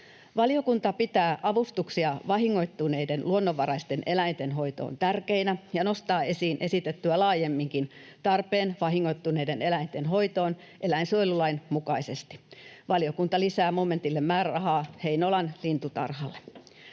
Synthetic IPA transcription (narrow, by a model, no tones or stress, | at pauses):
ʋɑlijokunt̪ɑpit̪æːʔɑʋust̪uksiɑʋɑɦiŋːo̞it̪ːuneidenluonːoʋːɑɾɑist̪enʔe̞læint̪enɦo̞it̪o̰ːnt̪ærkeinæjɑno̞st̪ɑːe̞siːnʔe̞sit̪et̪ːyælɑːjemːiŋkin | t̪ɑrpeːnʋɑɦiŋːo̞jt̪ːuneidene̞læint̪enɦo̞ijt̪oːn | ʔe̞læinsoilulɑinmukɑisest̪i̥ʋɑlijokunt̪ɑlisæːmome̞nt̪ilːemmæːɾæɑɦɑːhe̞inolɑnlint̪ut̪ɑ̰rɦɑlːe